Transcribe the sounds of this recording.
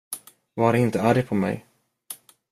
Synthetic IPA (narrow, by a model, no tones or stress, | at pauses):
vaɾɛɪnt̪əæɾɪpʰɔmɛ̰j